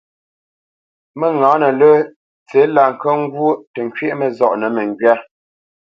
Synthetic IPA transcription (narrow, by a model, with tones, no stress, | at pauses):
mə˦ŋɔ̃ː˨˦nə˨lə˦ | t͡se˨˦la˨ŋ̩˨kə˦ŋ˦ɡwo˦tə˨ŋ˨kɥe˦ʔmə˨zɔ˦˨ʔnə˨mə˨ŋ˨ɡɥa˦